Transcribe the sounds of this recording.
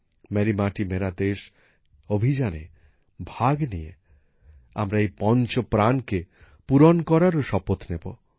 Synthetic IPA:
mɛɾimaʈimeɾad̪eʃ | obʱid͡ʑanḛ | bʱaɡnije | a̰mɾaejpɔnt͡ɕopɾanke | puɾonkɔɾaɾoʃɔpot̪nebo̰

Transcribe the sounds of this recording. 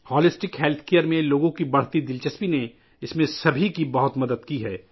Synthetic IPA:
hɔːlɪsʈɪkɦɛːlt̪ʰkejəɾmẽloːɡõkibɐɽ̤t̪id̪ɪlt͡ʃəspine | ɪsmẽsɐbʱikibɐɦʊt̪mɐd̪əd̪kiɦɛː

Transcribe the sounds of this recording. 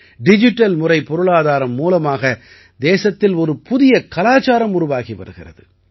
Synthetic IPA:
ɖɪd͡ʒɪʈːɐlmʊrɐɪpɔɾɯɭaːðaːɾɐmːuːlɐmaːɣɐ | d̪eːsɐt̪ːɪlɔɾɯpʊðɪjɐkɐlaːt͡ʃaːɾɐmʊɾʊʋaːɣiʋɐ̰ɾɯɣɪ̰rɐ̰ðɯ

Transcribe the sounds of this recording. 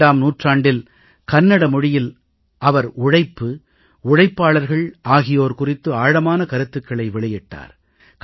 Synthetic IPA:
aːmnuːʈraːɳɖɪl | kɐnːɐɽɐmʊɻɪjɪl | ʔɐʋɐɾʊɻɐɪpːɯ | ʊɻɐɪpːaːɭɐɾɣɐɭʔaːɣɪjoːɾkʊrɪt̪ːɯaːɻɐmaːnɐkɐɾɯt̪ːɯkːɐɭɐɪʋɪɭɐjɛʈːa̰ːɾ | k

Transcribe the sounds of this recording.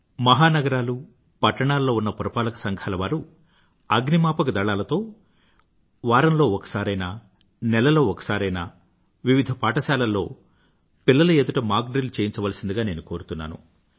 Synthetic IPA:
mɐɦaːnɐɡɐɾaːlu | pɐʈːɐɳaːllo̞ːunːɐpuɾɐpaːlɐkɐ̥sɐŋɡʱaːlɐʋaːɾu | ɐɡnimaːpɐkɐd̪ɐɭaːlɐt̪o̞ː | ʋaːɾɐnlo̞ːɔkɐ̥saːɾɐjnaː | nɛlɐlo̞ːɔkɐ̥saːɾɐjnaː | ʋiʋid̪ʱɐpaːʈɐʃaːlɐlːo̞̰ː | pilːɐlɐed̪uʈɐmaːɾk̚ɖɾilt͡ʃeːjint͡ʃɐʋɐlɐsind̪iɡaːne̞ːnuko̞ːɾut̪unːa̰ːnṵ

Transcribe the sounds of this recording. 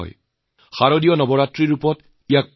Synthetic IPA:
ɔ̰j | xaɹodijɔnɔbɔɹatɹiɹupɔt | ijak̚

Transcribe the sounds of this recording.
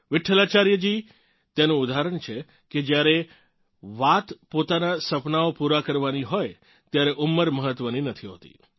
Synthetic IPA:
ʋɪʈʰːəlat͡ʃaɾjəd͡ʒi | t̪enũud̪aɦaɾəɳt͡ʃʰe | ked͡ʒjaɾe | ʋat̪pot̪anasəpnaopuɾakəɾʋaniɦoj | t̪jaɾɛʔʊmːəɾməɦət̪ʋəninət̪ʰiɦot̪ḭ

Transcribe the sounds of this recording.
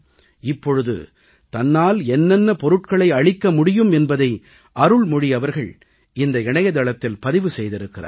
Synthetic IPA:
ɪpːɔɻɯðɯ̰ | t̪ɐnːaːlɛnːɛnːɐpɔɾɯʈ̚kɐɭɐɪɐɻɪkːɐmʊɽɪjɯmɛnbɐðɐɪ | ʔɐɾɯɭmʊɽɪɐʋɐɾɣɐɭ | ɪnd̪ɐɪɳɐjɐðɐɭɐt̪ːɪlpɐðɪʋɯsɛjðɪɾɯkːɪra̰ːɾ

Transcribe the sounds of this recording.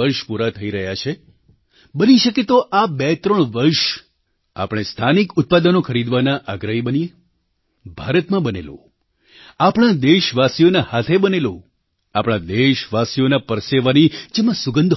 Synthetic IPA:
əɾʃpuɾat̪ʰəiɾəɦjat͡ʃʰe | bəniʃəket̪oʔabɛt̪ɾəɳ̃ʋəɾʃ | a̰pɽ̃est̪ʰanikʊt̪̚pad̪ənokʰəɾid̪ʋanaʔaɡɾəɦibənije | bʱaɾət̪mãbənḛlõ̰ | apɽ̃ãd̪eʃʋasijonahat̪ʰebənelo | apɽ̃ãd̪eʃʋasijonapəɾseʋanid͡ʒemãsʊɡənd̪ʱ

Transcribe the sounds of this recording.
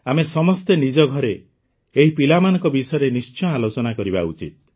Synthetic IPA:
amesɔmɔst̪enid͡ʒɔɡʱɔɾeː | ɦipilamanɔ̃ŋkɔbisɔɔɾenist͡ʃɔ̃alot͡ʃɔnakɔɾiba̰ut͡ʃit̪̚

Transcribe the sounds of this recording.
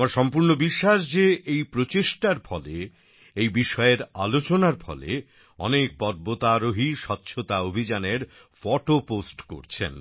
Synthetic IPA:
maɾʃɔmpuɾnobiʃːaʃ̬d͡ʑeejpɾot͡ɕeʃʈaɾfʰɔle | ejbiʃɔeɾa̰lot͡ɕonaɾfʰɔ̰lḛ | ɔ̰nek̚bɔɾ̚bot̪aɾoɦiʃɔtːɕʰot̪aobʱid͡ʑaneɾ | fɔʈoposʈko̰ɾt͡ɕʰḛn

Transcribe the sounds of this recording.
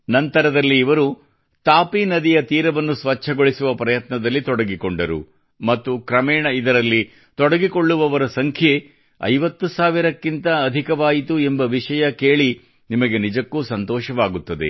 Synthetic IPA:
nɐnt̪ɐɾɐd̪ɐlːiːʋɐɾu | t̪aːpinɐd̪ijɐt̪iːɾɐʋɐnːusʋɐt͡ʃʰːɐɡo̞ɭisuʋɐpɾɐjɐt̪nɐd̪ɐlːit̪ɔɽɐɡikoɳɖɐɾṵ | mɐt̪ːukɾɐmɛːɳɐid̪ɐɾɐlːi | t̪ɔɽɐɡiko̞ɭːuʋɐʋɐɾɐsɐŋkʰje̞ | ɐ̰jʋɐt̪ːusaːʋiɾɐkːint̪ɐːd̪ʱikɐʋaːjit̪uembɐʋiʂɐjɐkeːɭi | nimɐɡe̞nid͡ʒɐkːuːsɐnt̪ɔːʃɐʋaːɡut̪ːɐd̪ḛ

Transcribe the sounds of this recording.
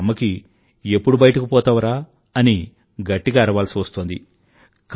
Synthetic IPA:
mːɐki | e̞pːuɽubɐjɐʈɐkipɔːt̪ɐʋɐɾaː | ɐni | ɡɐʈːiɡaːiɾɐʋaːlsiʋɐst̪oːnd̪i | k

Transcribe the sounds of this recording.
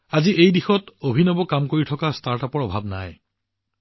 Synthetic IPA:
aziʔejdixɔtobʱinɔbɔkamkoɹitʰɔkastaɹtapɔɹɔbʱabna̰j

